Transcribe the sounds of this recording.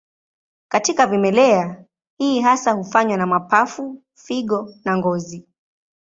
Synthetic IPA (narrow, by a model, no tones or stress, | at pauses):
katikavimɛlɛa | hiːɦasahufaɲwanamapafu | fiɠɔnaŋɡɔzi